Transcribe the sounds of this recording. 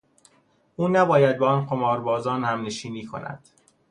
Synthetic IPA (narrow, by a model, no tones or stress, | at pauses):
ʔuːnæbɒːjæd̪̚beɒnqomɒːɾbɒːzɒːnhæmneʃiːniːkʰo̞̰næ̰d̪̥